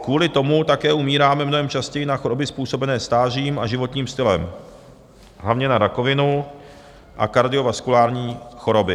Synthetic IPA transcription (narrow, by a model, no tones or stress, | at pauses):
kvuːlɪt̪o̞mut̪akɛːumiːɾaːmɛmnoɦɛmt͡ʃascɛjɪnaxoɾo̞bɪspuːso̞bɛnɛːst̪aːriːmaʒɪvo̞t̪ɲiːmst̪ɪlɛm | ɦlavɲɛnaɾako̞vɪnu | ʔa̰kaɾdɪo̞vaskulaːɾɲiːxo̞ɾo̞bɪ